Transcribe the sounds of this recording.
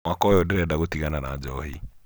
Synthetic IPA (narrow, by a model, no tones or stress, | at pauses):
wakɔjɔdeɾɛdaɣotiɣananad͡ʒɔhi